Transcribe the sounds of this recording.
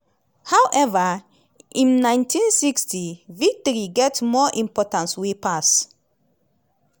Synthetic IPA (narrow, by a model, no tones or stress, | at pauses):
hawʔɛva | ʔĩnːãɪj̃ntʰĩnsikstʰivik̚tɔɹiɡɛtmɔʔĩmpɔtãnswepas